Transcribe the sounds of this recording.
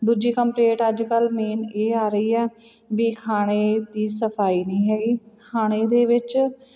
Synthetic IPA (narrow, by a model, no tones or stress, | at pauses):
d̪uːd͡ʒiːkəmpleːʈəd͡ʒkəlmiːneːaːɾəiːɛːbiːkʰaːɽ̃eːd̪iːsəpʰaːiːnĩːɦɛːɡiː | kʰaːɽ̃eːd̪eːʋɪt͡ʃ